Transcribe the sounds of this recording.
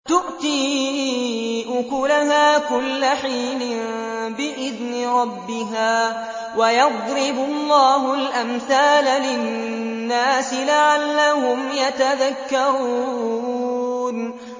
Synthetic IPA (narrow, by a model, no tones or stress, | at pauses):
t̪ʊʔt̪iː | ʔʊkʊlaɦaːkʊlːaħiːlɪnbɪʔɪðnɪɾˤɑbːɪɦaː | wajɑd̪ˤɾɪbʊlˤːɑːɦʊlʔamθaːlalɪ | nːaːsɪlaʕalːahʊmjat̪aðakːɑɾuː | n